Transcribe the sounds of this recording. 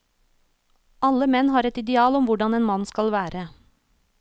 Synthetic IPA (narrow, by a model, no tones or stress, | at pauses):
ʔɑləmɛnhɑːɾɛt̪ɪd̪ɛɑːlɔmʋʊɖɑneːnmɑnskɑlʋæːɾʔə